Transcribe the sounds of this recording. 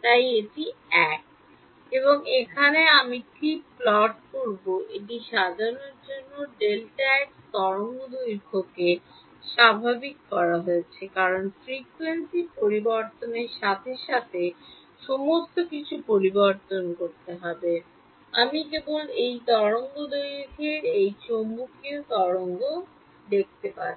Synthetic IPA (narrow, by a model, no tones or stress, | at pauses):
t̪ajeʈiɛk̚ | eβoŋekʰaneamikiplɔʈkoɾboʔeʈiʃad̪ʱaɾoneɾd͡ʑonːoɖelʈaɛkt̪ɔɾoŋɡod̪ujɾkʰoke | ʃabʱabikːɔɾaɦoet͡ɕʰekaɾonfɾikuensipoɾiboɾt̪oneɾʃat̪ʰeʃat̪ʰe | ʃɔmost̪okit͡ɕʰupoɾiboɾt̪onkoɾt̪eɦɔbe | amikebolejt̪ɔɾoŋɡod̪ojkʰeɾejt͡ɕombukiot̪ɔɾoŋɡo | d̪ek̚t̪epaɾe